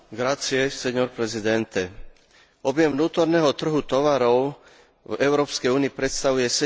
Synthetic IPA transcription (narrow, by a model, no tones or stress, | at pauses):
ɡɾat͡sijɛsɛɲɔɾpɾɛzid̪ɛnt̪ɛ | ɔbjɛmvnuːt̪ɔɾnɛɦɔt̪r̩ɦut̪ɔʋaɾɔʊ | vɛʊɾɔːpskɛjuːniːpɾɛt̪st̪aʋujɛsɛ